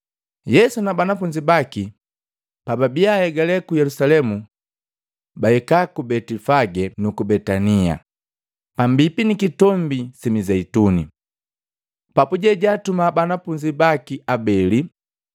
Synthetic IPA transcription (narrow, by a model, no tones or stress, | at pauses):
jɛsunabanafuɲd͡ʒibaki | pababiahɛɡalɛkujɛlusalɛmu | baɛkakubɛtifaɡɛnukubɛtania̰ | pambipinikitɔmbisimizɛitunḭ | papuɟɛɟatumabanafuɲd͡ʒibakiabɛli